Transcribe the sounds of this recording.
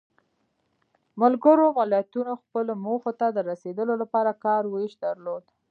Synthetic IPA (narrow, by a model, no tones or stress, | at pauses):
mʊlɡəɾomɪlat̪unoxpəlomoxot̪ad̪əɾased̪əlolapɑɾakɑɾweʃd̪əɾlod̪